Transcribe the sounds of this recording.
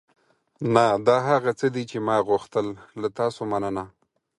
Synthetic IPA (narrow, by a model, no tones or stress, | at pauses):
nad̪ɑɦaɣat͡səd̪it͡ʃemɑɣʊxt̪əllat̪ɑsomanəna